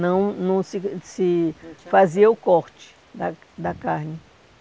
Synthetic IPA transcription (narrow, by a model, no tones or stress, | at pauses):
nɐ̃w̃nɐ̃w̃sɪsɪfaziɐʊkɔɾt͡ʃɪ̥ | d̪a | d̪ɐkaɾnɪ